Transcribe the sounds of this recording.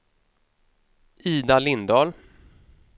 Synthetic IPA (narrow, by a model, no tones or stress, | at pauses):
ʔiːd̪alɪnd̪ɑːl